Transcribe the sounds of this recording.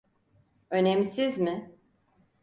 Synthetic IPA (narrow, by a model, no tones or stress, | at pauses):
ønɛmsizmɪ